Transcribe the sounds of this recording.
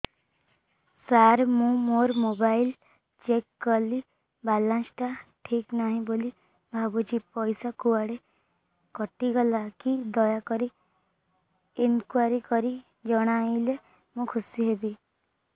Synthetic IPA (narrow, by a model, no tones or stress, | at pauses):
saɾmũmoɾmobail | t͡ʃekːɔli | balansʈaʈʰiknaɦĩboli | bʱabud͡ʒipɔjsakuaɽe | kɔʈiɡɔlakid̪ɔjakɔɾi | inkwaɾikɔɾi | d͡ʒɔɽ̃aile | mũkʰusiɦebi